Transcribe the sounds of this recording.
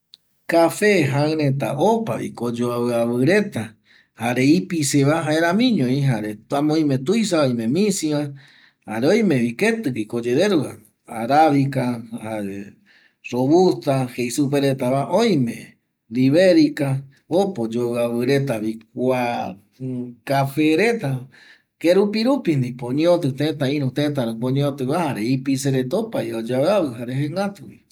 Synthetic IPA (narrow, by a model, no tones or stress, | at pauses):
kafeɦaɨ̃ɾẽ̞t̪a̰ʔopa̰βḭkod͡ʒoaɨaβɨɾe̞t̪a | haɾeipiseβaɦaeɾãmĩɲõĩɦaɾet̪amõĩmẽt̪ujs̬aoj̃mẽmĩsiβa | haɾeõj̃mẽβike̞t̪ɨkikod͡ʒeðeɾua | aɾaβikahaɾḛ | ɾoβust̪ahejsupeɾet̪aβaʔõj̃mẽ | liβeɾika | opod͡ʒoaβɨɾe̞t̪aβik̚ʷa | kafeɾe̞t̪a | keɾupiɾupind̪ipõɲeot̪ɨt̪ẽt̪aĩɾũt̪ẽt̪̬aɾõpõɲẽot̪ɨβahaɾeipiseɾet̪opaiod͡ʒaaβɨɦaɾehẽŋɡat̪uβḭ